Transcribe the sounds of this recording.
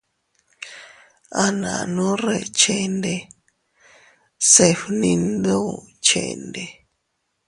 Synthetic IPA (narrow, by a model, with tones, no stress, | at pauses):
a˧nã̰˨nũ˦re˧˨t͡ʃe˧nde˧ | se˧ɸnĩ˧nd̪u˦˨t͡ʃḛ˧˨˧nd̪e˧